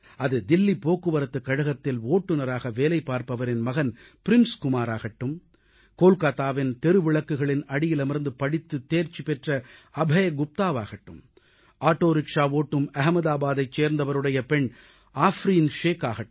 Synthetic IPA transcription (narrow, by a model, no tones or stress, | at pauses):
ɐðɯd̪ɪlːipoːkːɯʋɐɾɐt̪ːɯkːɐɽɐɣɐt̪ːɪloːʈːɯnɐɾaːɣɐʋeːlɐɪpːaːɾpɐʋɐɾɪnmɐɣɐn | pɪɾɪnskʊmaːɾaːɣɐʈːɯm | koːlkaːt̪aːʋɪnt̪ɛɾɯʋɪɭɐkːɯɣɐɭɪnɐɽɪjɪlɐmɪɾnd̪ɯpɐɽɪt̪ːɯt̪ːeːɾt͡ʃːipɛʈrɐɐbʱɐjɐɡʊp̚t̪aːʋaːɣɐʈːɯ̰m | ʔaːʈːoːɾɪkʂaːʋoːʈːɯmɐɦɐmɐðaːbaːðɐɪt͡ʃeːɾnd̪ɐʋɐɾɯɽɐjɐpɛɳ | aːfɾiːnʂeːkaːɣɐʈː